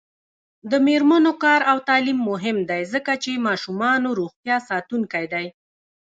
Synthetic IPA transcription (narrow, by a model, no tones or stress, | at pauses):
d̪əmeɾmanokɑɾawt̪ɑlimːʊɦɪmd̪ajzəkat͡ʃemɑʃumɑnoɾoɣt̪jɑsɑt̪uŋkajd̪aj